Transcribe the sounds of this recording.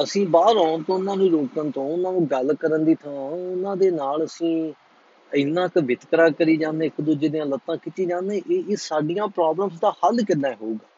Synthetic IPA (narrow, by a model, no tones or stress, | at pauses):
əsĩːbaːɾaːnt̪õːʊnãːnũːɾoːkənt̪õːʊnãːnũːɡəlkəɾənd̪iːt̪ʰãːʊnãːd̪eːnaːləsĩː | əɪnːãːkəʋɪt̪kɾãːkəɾiːd͡ʒãːnd̪ẽːɪkd̪ʊd͡ʒeːd̪ijãːlət̪ːãːkɪt͡ʃːiːd͡ʒãːnd̪ẽːʔeːʔːsaːɖɪjãːpɾaːbləmsd̪aːhəlkɪnːaːɦoːɡaː